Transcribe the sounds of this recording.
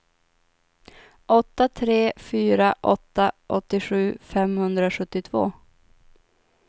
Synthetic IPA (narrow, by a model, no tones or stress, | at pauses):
ʔɔt̪ːat̪ʰɾeːfyːɾaʔɔt̪ːaʔɔt̪ːɪɧʉ̟ːfɛmhɵnd̪ɾaɧɵt̪ːɪt̪ʰvo̰ː